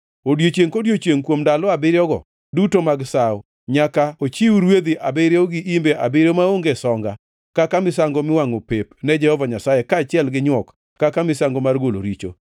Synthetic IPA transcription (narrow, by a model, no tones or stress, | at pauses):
odjot͡ʃeŋkodjot͡ʃjeŋkwomdalɔabɪɾjɔɡɔ̰ | dutomaɡsaw | ɲakaot͡ʃiuɾwed̪iʔabɪɾjɔɡɪʔimbeʔabɪɾomaoŋɡesɔŋɡa | kakamɪsaŋɡɔmɪwaŋopepnɛd͡ʒɛhɔvaɲasajɛkat͡ʃɪɛlɡɪɲwɔkː | akamɪsaŋɡomarɡolo̰ɾit͡ʃo̰